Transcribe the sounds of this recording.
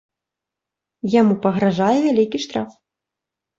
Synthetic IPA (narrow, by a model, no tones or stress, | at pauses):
jamupɐɣɾaʐajɛvʲalʲikʲiʂt̪ɾaf